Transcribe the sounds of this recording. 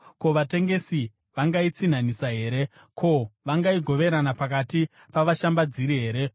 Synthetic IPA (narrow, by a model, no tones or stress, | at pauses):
ko̞ʋate̞ŋɡe̞si | ʋaŋɡait͡sin̤anisaɦe̞ːɾe̞ | kʰo̞ʋaŋɡaiɡʱo̞ʋe̞ɾanapakati | paʋaʃambad͡ziɾiɦe̞ːɾe̞